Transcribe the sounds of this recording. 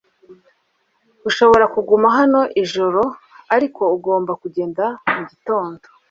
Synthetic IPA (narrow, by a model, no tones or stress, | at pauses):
uʃo̞βo̞ɾakuɡumaɦano̞ʔiʒo̞ɾo̞ | aɾiko̞uɡo̞ːmbakuɟe̞ːndamuɟito̞ːndo